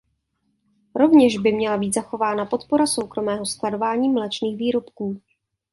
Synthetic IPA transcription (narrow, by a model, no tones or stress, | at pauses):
ɾo̞vɲɛʒbɪmɲɛlabiːt̪zaxo̞vaːnapo̞t̪po̞ɾaso̞wkɾo̞mɛːɦo̞sklado̞vaːɲiːmlɛt͡ʃniːxviːɾo̞pkuː